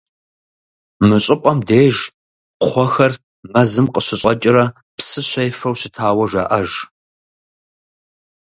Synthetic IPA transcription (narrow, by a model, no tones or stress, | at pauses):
mɨɕʼɪqʷʼɐmdeːʒ | χʷɔxɐr | mɐzɨmqʼəɕɪɕʼɐt͡ʃʼɪɾɐ | psɨɕʷɐjfɐwɕɪtʰaːwɐʒɐ̰ʔɐʒ